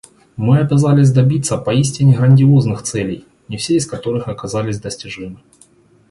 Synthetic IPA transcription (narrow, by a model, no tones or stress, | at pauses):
mɨɐbʲazalʲɪsʲd̪ɐbʲit̪sːəpɐisʲtʲɪnʲɪɣɾənʲdʲɪo̞znɨxt̪sɛlʲɪj | nʲɪfsʲeɪskɐt̪o̞ɾɨxɐkɐzalʲɪsʲd̪əsʲtʲɪʐɨmɨ